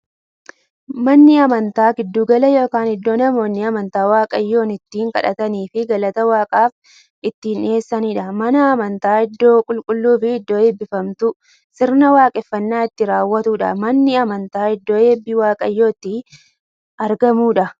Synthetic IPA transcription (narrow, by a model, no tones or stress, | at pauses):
mɐnːɪɐmɐnt̪aːɡɪd̪ːuːɡɐlɐjo̞ːkaːnɪd̪ːo̞ːnɐmo̞ːnːɪɐmɐnt̪aːwaːkʼɐjːo̞ːnɪt̪ːiːŋkɐ̰ᶑɐt̪ɐniːfɪɡɐlɐt̪ɐwaːkʼaːf | ɪt̪ːiːne̞ːsːɐniːᶑɐmɐnɐːmɐnt̪aːɪd̪ːo̞ːkʼʊlkʼʊlːuːfɪːd̪ːo̞ːeːbːɪfɐmt̪ʊ | sɪɾnɐwaːkʼɛfːɐnːaːɪt̪ːɪɾaːwːɐt̪uːᶑɐ̰mɐnːɪɐmɐnt̪aːɪd̪ːo̞ːeːbːɪwaːkʼɐjːo̞ːɪt̪ːɪ | ɐɾɡɐmuːᶑɐ